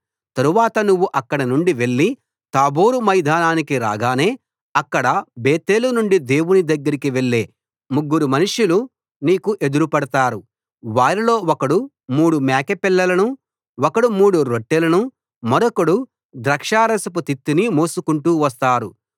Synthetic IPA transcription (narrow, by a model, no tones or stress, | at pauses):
t̪ɐɾuʋaːt̪ɐnuʋːuʔɐkːɐɽɐnuɳɖiʋe̞ɭːi | t̪aːboːɾumɐjd̪ʱaːnaːnikiɾa̰ːɡaːne̞ː | ɐkːɐɽɐbeːt̪e̞ːlunuɳɖid̪e̞ːwunid̪ɐɡːɐɾikiʋe̞ɭːe̞ː | muɡːuɾumɐnuʂulu | niːkuʔe̞d̪uɾupɐɽɐt̪aːɾu | ʋaːɾilo̞ːɔkɐɽu | muːɽumaːkepilːɐlɐnu | ɔkɐɽumuːɽuɾoʈːelɐnu | mɐɾɔkɐɽu | d̪ɾɐkʂaːɾɐsɐp̬ut̪it̪ːinimoːsukuɳʈuːʋɐst̪aːɾu